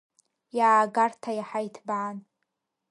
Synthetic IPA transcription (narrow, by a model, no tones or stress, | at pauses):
jaːɡartʰajaħajtʰbaʕan